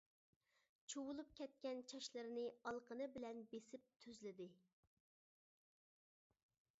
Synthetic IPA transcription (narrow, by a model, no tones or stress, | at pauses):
t͡ʃʰuwulˠup̚kʲʰɛt̪̚kʲɛnt͡ʃʰɑʃlˠɨɾɪnɨɑlˠqənɨbɪlɛnbesɪp̚t̪ʰøzlɪd̪ɪ